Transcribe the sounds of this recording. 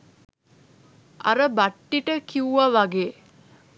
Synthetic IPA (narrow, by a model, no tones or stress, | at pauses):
a̰ɾəbaʈːiʈəkiuʋaʋaɡeː